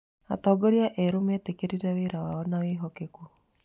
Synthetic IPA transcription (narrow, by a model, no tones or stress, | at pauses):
a̰tɔɡoɾiaʔɛɾometekeɾiɾɛweɾawaɔnaweɦɔkeku